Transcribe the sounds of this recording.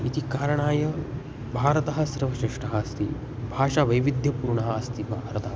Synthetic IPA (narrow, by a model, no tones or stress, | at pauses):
it̪ikaːɾɐɳaːjɐ | bʱaːɾɐt̪ɐɦɐ̆sɾɐʋɐʃeːʂʈɐɦɐːst̪ʰi | bʱaːʂaːʋɐjʋid̪ʱjɐpuːɾɳɐɦɐɐst̪ʰibʱɾɐt̪ɐɦɐ